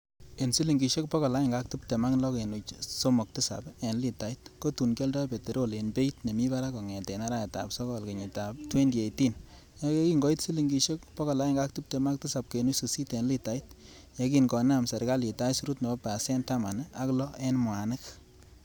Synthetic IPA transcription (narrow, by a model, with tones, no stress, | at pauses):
e˨nsi˦li˨ŋɡi˨ʃe˦k̚pɔ˦kɔ˨la˦jɪ˦˨ŋɡa˦k̚tu˦p̚te˨ma˦klɔ˦ke˨nu˨t͡ʃso˦mo˨k̚tɪ˦sa̰˨pe˨nli˨ta˨i˦t̚ko˦tu˨nke˦ldɔ˦pe˨te˨ɾo˦le˨nbe˦itne˨mi˦ba˦ɾa˦kɔ˨ŋɛ˨te˨na˦ɾa˦ja˨ta̰˨psɔ˦kɔ˨lke˨ɲi˨ta˨p̚twe˦ndi˨e˨ti˦n | ja˦ke˦ki˦ŋɡɔ˨˦i˦tsi˦li˨ŋɡi˧ʃe˦kpɔ˦kɔ˨la˨˦jɪ˦ŋɡa˦k̚tu˦p̚te˨ma˦k̚tɪ˦sa˨p̚ke˨nu˦su˨si˦te˨nli˦ta˨i˦t̚ | ja˦kinkɔ˨n˦a˨msɛ˨ɾka˦li˨ta˦su˦ɾu˦tnɛ˨bɔ˦pa˨sɛ˦nta˦ma˨na˦klɔ˦e˦nmwa˨nɪ˦k